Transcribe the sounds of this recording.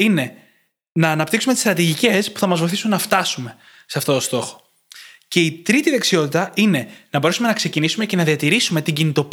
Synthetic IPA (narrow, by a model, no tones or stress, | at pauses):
ine̞ | nɐːnɐpt̪iksumet̪ist̪ɾɐt̪iʝice̞spu̥θɐmɐzvo̞jθisunːɐft̪ɐsume̞ | seɐft̪o̞t̪o̞st̪o̞xo̞̥ | ce̞it̪ɾit̪iðe̞ksio̞t̪it̪ɐine̞nɐbo̞ɾe̞sume̞nɐkse̞cinisume̞ce̞nɐðiɐt̪iɾisume̞t̪iɲɟinit̪o̞p